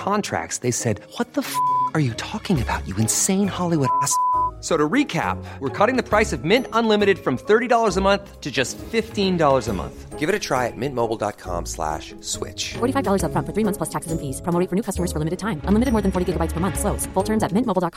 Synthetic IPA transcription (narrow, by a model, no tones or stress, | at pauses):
kʰɑ̃ntʰɹ̥æ̰k̚tsðeɪsɛd̚wʌt̪̚ðəfə˞jɨtʰɔkɪ̃ŋɨbaʊt͡ʃɨɨ̃nsẽɪ̃nhɑlˠiwʊɾæssoʊɾəɹikʰæ̰p̚wəɹkʰɔɾɪ̃ŋðɨpʰɹ̥aɪsʌvmɪ̃ntə̃nlɪ̃mɨɾɨd̥fɹʌ̃mθɜ˞ɾidɔlˠə˞zəmʌ̃nθtʰɨd͡ʒʌstfɪftĩndɔlˠə˞zəmʌ̰̃nθɡ̥ɪvɨɾɨtʰɹ̥aɪɨt̚mɪ̃nmoʊbl̩ˠdɑ̰t̚kʰɑ̰̃mslæ̰ʃ | swɪ̰t͡ʃfɔɹɾifaɪvdɔlˠə˞zəfɹʌ̃nfə˞θɹiːmʌ̃θpʰlʌstʰæksɨzɨ̃nfiz̥pʰɹ̥ə̃moʊɾɪ̃ŋfə˞nʉkʰʌstəmə˞z̥fə˞lɪ̃mɨɾɨd̚tʰãɪ̃mə̃nlɪmɨɾɨd̚mɔɹðɨ̃nfɔɹɾiɡɪɡəbaɪtspʰə˞mʌ̃nθsloʊsfʊlˠtʰɜ̃˞mzɨt̚mɪ̃nʔmoʊbl̩ˠdɑt̚kʰ